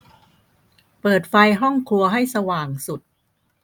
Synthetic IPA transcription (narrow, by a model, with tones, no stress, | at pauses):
pɤː˨˩t̪̚fa˧jɦɔ˥˩ŋkʰu˧ɐɦa˥˩jsa˧waː˨˩ŋsu˨˩t̪̚